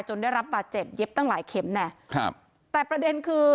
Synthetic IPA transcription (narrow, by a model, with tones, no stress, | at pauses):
jt͡ɕo˧ndaː˥˩jɾa˦˥p̚baː˨˩t̪̚t͡ɕe˨˩p̚je˦˥p̚t̪a˥˩ŋlaː˩˦jkʰe˩˦mnɛ˦˥˩kʰa˧ | t̪ɛː˨˩pɾa˧de˧nkʰɯː˧